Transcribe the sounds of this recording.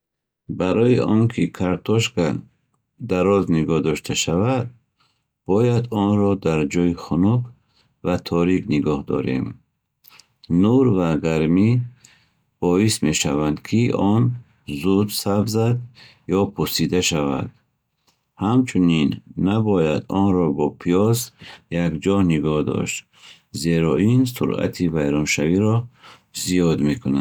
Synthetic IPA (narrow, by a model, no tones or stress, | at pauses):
baɾɔiʔɔŋkʰikʰaɾt̪ʰɔʃka | d̪aɾɔzniɡɔhd̪ɔʃt̪ʰaʃavad̪̚ | b̥ɔjad̪ɔnɾɔd̪aɾd͡ʒɔjiχunɔk | vat̪ʰɔɾikniɡɔhd̪ɔ̰ɾḛm | nuɾvaɡaɾmi | b̥ɔisme̞ʃavand̪kʰiɔn | zud̪sabzad̪ | jɔpʰusid̪aʃava̰d̪̥ | hamt͡ʃʰuninːabɔjad̪ɔnɾɔbɔpʰijɔzjakd͡ʒɔniɡɔhd̪ɔ̰ʃt̪ | zeɾɔinsṵɾa̰t̪ʰivajɾɔnʃaviɾɔ | ziɔd̪mekʰuna